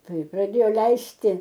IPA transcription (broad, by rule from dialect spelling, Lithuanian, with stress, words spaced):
ˈtɐɪ prɐˈdʲeːjoː ˈlʲɛɪsʲtʲɪ